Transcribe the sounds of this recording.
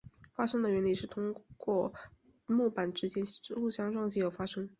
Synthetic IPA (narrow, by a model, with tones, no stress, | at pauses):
fa˥ʂɤ˥ŋd̪ə˨ɥɛ˧˥nli˥˩ʂɻ̩˥˩t̪ʰʊ˥ŋkwɔ˥˩ | mɔ˥˩pa˨˩nʈ͡ʂɻ̩˧˥t͡ɕjɛ˥n˥lu˥˩ɕjɑ˥ŋʈ͡ʂwɑ˥˧ŋt͡ɕi˥˩jo˨˩ʊfa˥ʂɤ˥ŋ